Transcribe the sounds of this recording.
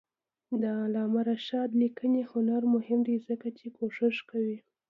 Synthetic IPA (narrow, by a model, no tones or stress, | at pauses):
d̪əalɑmaɾaʃɑd̪nikʰənihʊnaɾmʊhɪmd̪ezəkat͡ʃekoʂɪʂkawi